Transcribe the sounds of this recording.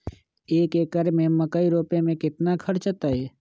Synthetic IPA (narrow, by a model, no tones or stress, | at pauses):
eːkekəɾmẽməkəiɾoːpemẽkɪt̪nakʰəɾt͡ʃət̪aɦɛː